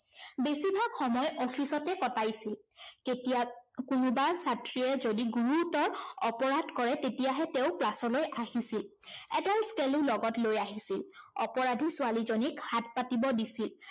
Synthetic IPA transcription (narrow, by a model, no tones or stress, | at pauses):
besibʱakxɔmɔjʔɔpʰisɔtɛkɔtajsilketiakunubaɹsatɹiɛzodiɡuɹutɔɹɔpɔɹadkɔɹɛtetijaɦɛteʊklasɔlojʔaɦisilɛtalskelʊlɔɡɔtlojaɦisilɔpɔɹadʱisʊalizonikhat̚patibɔdisil